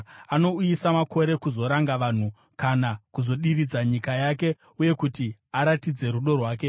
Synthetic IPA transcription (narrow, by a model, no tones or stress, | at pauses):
ano̞ujisamako̞ɾe̞kuzo̞ɾaŋɡaʋaːn̤u | kanakuzo̞ɗirid͡zaɲikajake̞ | uje̞kutiaɾatid͡ze̞ɾuɗo̞rwaːke̞